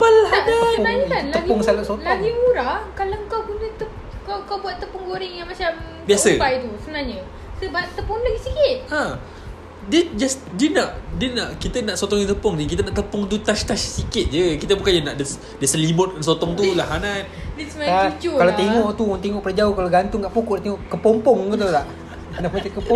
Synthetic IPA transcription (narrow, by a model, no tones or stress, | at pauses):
palaadaənaɲəkanləɡɔŋsalasotlaɡiuɾahkaləŋkawkunət̪ə | kakawbuat̪ːəpʊŋɡoɾɪŋjaŋmat͡ʃam | biasəpajt̪usəbənaɲə | səbat̪əpunləɡisikɪt̪̚a | dəd͡ʒas | diənaʔdiənaʔkit̪ənaʔsot̪ɔŋjaŋt̪əpɔŋnikit̪̬ənaʔt̪əpɔŋt̪ut̪aʃt̪aʃsikɪt̪̚d͡ʒəkit̪əbukand͡ʒənaʔdəs | dəsəlimʊt̪̚kansot̪ɔŋt̪ulaɦanandɛsmaaut͡ʃukalawt̪eŋɔʔʔt̪uŋt̪̬eŋɔʔpərd͡ʒaokalaɡant̪ʊŋɡaʔpukuʔt̪eŋɔʔkəpɔmpɔŋut̪ulaʔ | naʔbat̪ekːəpɔ